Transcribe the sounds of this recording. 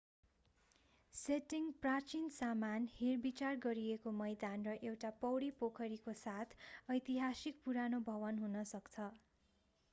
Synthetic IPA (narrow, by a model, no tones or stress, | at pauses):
seʈiŋprat͡ʃinsamanhirbit͡sarɡʌɾiekomʌjd̪anrʌʔewʈapʌwɽipokʰʌɾikosat̪ʰʌjt̪iɦasik̚puɾanobʱʌβʌnɦunʌsʌkt͡sʰʌ